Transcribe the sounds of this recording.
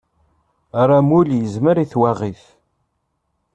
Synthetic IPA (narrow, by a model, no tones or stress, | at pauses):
ɾˤamuljəzməɾiθwaʁiθ